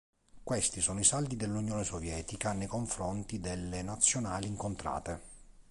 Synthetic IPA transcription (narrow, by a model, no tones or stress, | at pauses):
kwest̪isɔːnoisald̪id̪elːunjoːnesovjɛːt̪ikanejkoɱfɾɔnt̪id̪elːenat̪sːjonaːliŋkont̪ɾa̰ːt̪e